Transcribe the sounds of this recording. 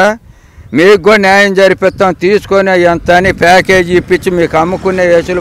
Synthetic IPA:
miːɡonjaːjɐmd͡ʒɐɾipɛt̪ːaːmt̪iːsu̥konejɐnt̪ɐnipaːkeːd͡ʒipːit͡ʃːimiːkɐmːukunːeːeːʃul

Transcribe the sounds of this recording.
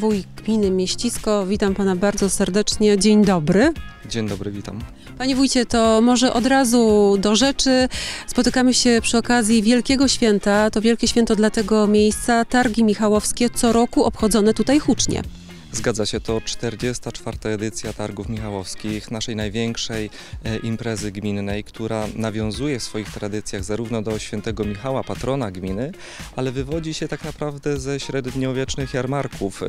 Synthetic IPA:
vujɡ̥mʲinɘmʲjeɕt͡ɕiskɔvʲit̪ampanabaɾd̪zɔsɛɾd̪ɛt͡ʂɲɛd͡ʑeɲd̪ɔbɾɘd͡ʑeɲd̪ɔbɾɘvʲit̪am | paɲɛvujt͡ɕɛt̪ɔmɔʐɛʔɔd̪ɾazud̪ɔʐɛt͡ʂɘspɔt̪ɘkamɘɕɛpʂɘɔkazʲjivʲjɛlkʲɛɡɔɕfʲjɛnt̪at̪ɔvjɛlkʲɛɕfʲjɛnt̪ɔd̪lat̪ɛɡɔmʲjejst̪sat̪aɾɡʲimʲixawɔfskʲɛt̪sɔɾɔkuɔpxɔd̪zɔnɛt̪ut̪ajxut͡ʂɲɛ̰ | zɡad̪zaɕɛt̪ɔt͡ʂt̪ɛɾd͡ʑɛst̪at͡ʂfaɾt̪aɛd̪ɘt̪sʲjat̪aɾɡufmʲixawɔfskʲixnaʂɛjnajvʲjɛŋkʂɛj | impɾɛzɘɡmʲinːɛjkt̪ʰuɾanavʲjɔ̃w̃zujɛfsfɔjixt̪ɾad̪ɘt̪sʲjaɣzaɾuvnɔd̪ɔɕfʲjɛnt̪ɛɡɔmʲixawapat̪ɾɔnaɡmʲinɘ | ʔalɛvɘvɔd͡ʑiɕɛt̪aknapɾavd̪ɛzɛɕɾɛd̪ɲɔvʲjɛt͡ʂnɘxjaɾmaɾkʰuf

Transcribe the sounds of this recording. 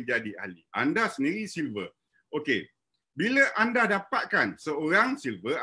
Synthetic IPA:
d͡ʒadia̰liʔa̰ndasəndiɾisilvə | ʔoke | biləʔandadapat̪̚kansəoɾaŋsilvə

